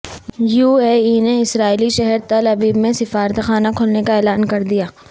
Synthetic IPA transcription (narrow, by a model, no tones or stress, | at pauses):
juːeːineɪsɾaːiliʃɛɦɛɾt̪ɐlɐbiːbmẽsɪfaːɾət̪xaːnakʰʊːlnekaɛːlaːnkɐɾd̪ijaː